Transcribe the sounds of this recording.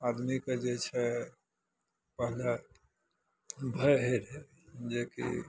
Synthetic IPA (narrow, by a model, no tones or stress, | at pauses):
ad̪miked͡ʒet͡ʃʰɛ | pəɦla | bʱəjɦeɾe | d͡ʒekḭ